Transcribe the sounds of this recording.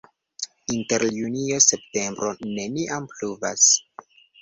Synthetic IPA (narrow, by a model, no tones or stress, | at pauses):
inte̞ɾljunio̞se̞pte̞mbɾo̞ne̞niʔampluvas